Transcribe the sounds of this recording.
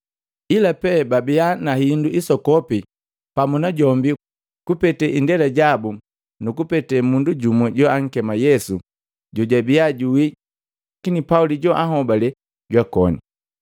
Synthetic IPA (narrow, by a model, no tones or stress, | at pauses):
ilapɛbabianahinduʔisɔkɔpi | pamunaɟɔmbi | kupɛtɛʔindɛlaɟabu | nukupɛtɛmunduɟumwɛɟɔaŋ̩kɛmajɛsu | ɟɔɟabiaɟuwi | kinipauliɟɔʔaɦɔbalɛ | ɟwakɔnḭ